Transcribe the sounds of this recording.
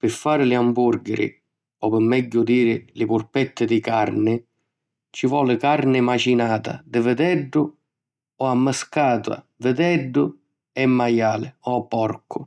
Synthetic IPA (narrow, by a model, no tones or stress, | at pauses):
pɪfːaːɾɪlɪambuɾɡɪɾɪ̰ | ɔpɪmːɛɟːʊd̪iːɾɪlɪpʊɾpɛt̪ːɪd̪ɪkarnɪ | t͡ʃɪvɔːlɪkaɾnɪmat͡ʃinaːt̪a̰d̪ɪvəd̪ɛɖːʊ | ɔamːəskaːt̪wa̰ | vəd̪ɛɖːʊ | ɛmːajaːlɪɔapːɔrkʰʊ